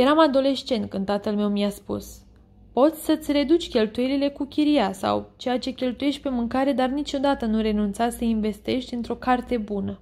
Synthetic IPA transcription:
je̞ɾamad̪o̞le̞ʃt͡ʃe̞nt̪̚kɨnat̪əlme̞wmiaspṵs | po̞t̪sʲsət̪sʲre̞d̪ut͡ʃʲkʲe̞lt̪uje̞lile̞kukʲiɾiasa̰wt͡ʃe̞jat͡ʃe̞kʲe̞lt̪uje̞ʃt̪̚ʲpe̞mɨŋkaɾe̞d̪arnit͡ʃo̞d̪at̪ənuɾe̞nunt̪sat̪səinve̞st̪e̞ʃt̪ʲɨnt̪ɾo̞kart̪e̞bunə

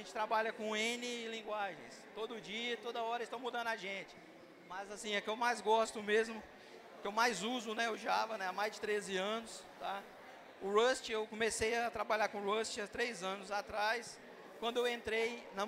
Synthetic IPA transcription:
ẽt͡ʃɪ̥t̪ɾabaʎɐkõẽnɪːlĩɡwaʒḛ̃j̃st̪od̪ʊʊd͡ʒiɐt̪od̪ɐɔɾɐɪst̪ɐ̃w̃mud̪ɐ̃nd̪aʒẽt͡ʃɪ̥ | mɐzasĩɐkɪewmajzɡɔst̪ʊmezmʊ | kɪewmajzuzʊnɛʊʒavɐnɛamajzd͡ʒɪt̪ɾezɪɐ̃nʊst̪a | ʊɾost͡ʃɪewkõmesejɐt̪ɾabaʎakõʊɾost͡ʃɪat̪ɾejzɐ̃nʊzat̪ɾajs | kwɐ̃nd̪ʊewẽnt̪ɾejnɐ̃

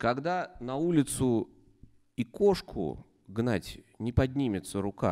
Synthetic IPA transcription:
kɐɡd̪anɐulʲɪt̪sʊ | ikoʂkʰʊ̰ | ɡnatʲnʲɪpɐdʲnʲimʲɪt̪səɾʊka̰

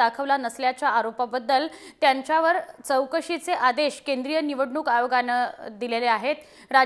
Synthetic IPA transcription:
akʰəʋlanəsljat͡ɕaːɾopabəd̪ːəlt̪jaɲt͡ɕaʋəɾt͡səwkəɕit͡seʔad̪eɕkend̪ɾijəniʋəɽɳukajoɡanəd̪ileleaɦet̪ | ɾa

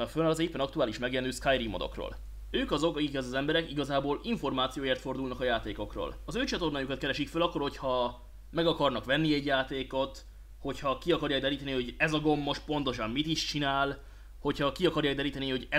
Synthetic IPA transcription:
ɒkfønɒlɒzeːpːɛnɒkt̪uaːliʃmɛɡjɛnyːskajrimo̞d̪o̞̰kro̰ːl | øːkɒzo̞kɒkikɛzɒzɛmbɛɾɛkiɡɒzaːboːliɱfo̞rmaːt̪sijoːjeːrt̪fo̞rd̪ulnɒkɒjaːt̪eːko̞kro̰ːlɒzøːt͡ʃɒt̪o̞rnaːjukɒt̪̚kɛɾɛʃikfølɒkːo̞rho̞cʰhɒ | mɛɡɒkɒrnɒkʋɛnːiɛɟjaːt̪eːko̞t̪ | ho̞chɒkiɒkɒrjaːɡd̪ɛɾiːt̪ɛniho̞ɟɛzɒɡo̞mːo̞ʃpo̞nt̪oʃɒmmit̪iʃt͡ʃinaːl | ho̞chɒkiɒkɒrjaːɡd̪ɛɾiːt̪ɛniho̞ɟɛ

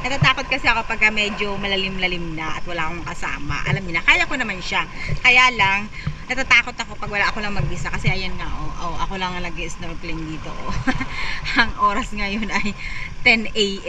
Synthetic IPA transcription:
nɐt̪at̪aːkot̪̚kɐsɛʔɐkopɐɡ̚kamɛd͡ʒo̞mɐlɐlɪmlɐlɪmnaʔɐt̪wɐlaːʔkoŋkɐsa̰ːmɐ̰ʔɐ̰lamɲɪnɐkaːjɐko̞nɐmanʃakɐjaːlɐŋ | nɐt̪at̪aːko̞t̪ɐko̞pɐɡwɐlaʔɐko̞lɐŋmɐɡʔɪsakɐsɛʔɐjɐnŋaʔoʔoʔɐko̞lɐŋnlɐɡɪʔst̪ɐɾplɛnd̪iːt̪oʔo | ɐŋʔo̞ːɾɐsŋajonɐjt̪ɛnɛj

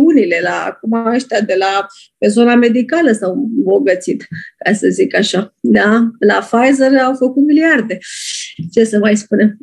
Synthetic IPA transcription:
unile̞la̰kumaəʃt̪ead̪e̞la | pezo̞name̞d̪ikaləsawɨmbo̞ɡət̪sit̪kasəzikaʃad̪alafajzerawfəkut̪miliard̪e̞t͡ʃe̞səmajspune̞m

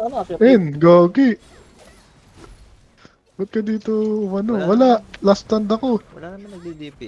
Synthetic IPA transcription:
ʔɛnɡoːkɪʔ | bʊt̪̚kɐd̪iːt̪omɐnowɐlaʔlast̪ɐnd̪ɐko̞

